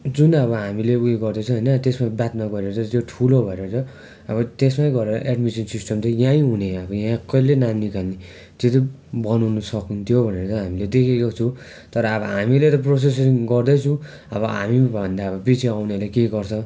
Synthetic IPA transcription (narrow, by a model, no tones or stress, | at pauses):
d͡zunʌβʌɦamileueɡʌrd̪ʌt͡sʰũɦʌjnʌt̪esmabjat̪̚maɡʌɾeɾʌt͡sʰʌt̪joʈʰulobʱʌeɾʌt͡sʰʌ | ʌβʌt̪esmajɡʌɾeɾʌ̰ʔeɖmisinsisʈʌmt̪ʌjãĩɦuneʌbʌjãkʌjlenamnikalni | t̪et̪i | bʌnuwnʌsʌkunt̪ʰijobʱʌneɾʌt̪ʌɦamiled̪ekʰekot͡sʰũ | t̪ʌɾʌːbʌɦamilet̪ʌp̬ros̬es̬ɡʌrd̪ʌt͡sʰũ | ʌbʌɦa̰mibʱʌnd̪aʌbʌpit͡sʰiawneʌlakeɡʌrt͡sʰʌ